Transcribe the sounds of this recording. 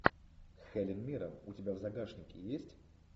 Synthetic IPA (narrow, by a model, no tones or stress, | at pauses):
xɛlʲɪnmʲiɾəmʊtʲɪbʲavzɐɡaʂnʲɪkʲɪ̰jesʲtʲ